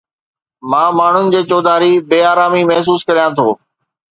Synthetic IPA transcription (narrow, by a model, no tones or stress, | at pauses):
mãːmaːɳ̤ʊnɪ̆d͡ʑeːt͡ɕoːd̪ʱaːɾibeːaːɾaːmimɐɦs̬uːskɐɾijãt̪ʰoː